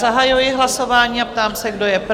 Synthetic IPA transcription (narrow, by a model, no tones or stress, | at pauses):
zaɦajujɪɦlaso̞vaːɲiːap̚t̪aːmsɛɡdo̞jɛp